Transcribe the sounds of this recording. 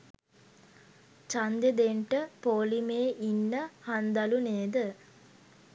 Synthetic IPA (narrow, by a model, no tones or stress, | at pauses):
t͡ʃand̪ed̪eɳʈəpoːlimeːʔinːəhand̪aluneːd̪ə